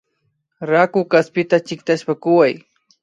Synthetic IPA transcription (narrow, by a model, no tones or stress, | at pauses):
ɾakʊkaspɪt̪at͡ʃɪk̚t̪aʃpakʊwaj